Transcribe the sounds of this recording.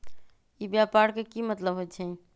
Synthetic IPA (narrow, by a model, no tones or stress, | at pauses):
ibjapaɾkekimət̪ləbɦot͡ʃʰɛ